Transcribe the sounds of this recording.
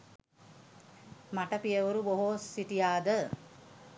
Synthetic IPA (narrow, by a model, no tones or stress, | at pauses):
maʈəpijəʋuɾuboɦoːsiʈijaːd̪ə